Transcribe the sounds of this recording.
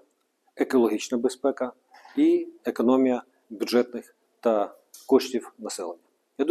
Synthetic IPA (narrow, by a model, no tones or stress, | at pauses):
ekɔlˠɔɦʲit͡ʃnɐbespɛkɐ | iekɔnɔmʲijɐ | bʲudʒɛt̪nɪx | t̪ɐ | kɔʃtʲiwnɐsɛlˠenʲːɐ | jad̪